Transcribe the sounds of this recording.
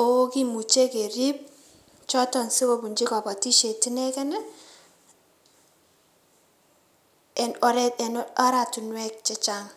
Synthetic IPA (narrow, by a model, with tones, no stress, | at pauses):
o˨wo˦ki˦mu˨t͡ʃe˦ke˨ɾi˦p̚ | t͡ʃɔ˦tɔ˨nsi˦ko˨bu˨ɲd͡ʒi˦kɔ˨ba˨ti˦ʃe˨ti˦nɛ˦kɛ˦nɛ˦ | ɛ˨nɾɛɛ˨na˦ɾa˨tu˨nwɛ˦k̚t͡ʃɛ˦t͡ʃa˦ŋ